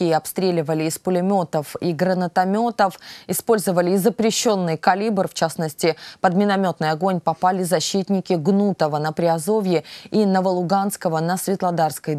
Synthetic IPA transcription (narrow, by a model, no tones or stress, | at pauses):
iɐpst̪ɾʲelʲɪvəlʲɪːspʊlʲɪmʲo̞t̪əfiɡɾənət̪ɐmʲo̞t̪əfɪspo̞lʲzəvəlʲɪːzəpɾʲɪɕːo̞nːɨjkɐlʲibrft͡ɕasnəsʲtʲɪpəd̪mʲɪnɐmʲo̞t̪nʊjɐɡo̞nʲpɐpalʲɪzɐɕːit̪nʲɪkʲɪɡnut̪əvənəpɾʲɪɐzo̞vʲjɪinəvəlˠʊɡanskəvənəsvʲɪt̪lˠɐd̪arskəj